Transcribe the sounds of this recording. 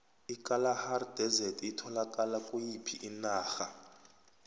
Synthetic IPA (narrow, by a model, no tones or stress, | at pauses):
ikʼalahardɛzɛtʰitʰɔlakʼalakʼujipʰiʔinaːxa